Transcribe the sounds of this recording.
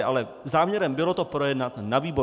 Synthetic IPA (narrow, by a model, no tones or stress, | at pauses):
ʔalɛ | zaːmɲɛɾɛmbɪlo̞t̪o̞pɾo̞jɛdnat̪naviːbo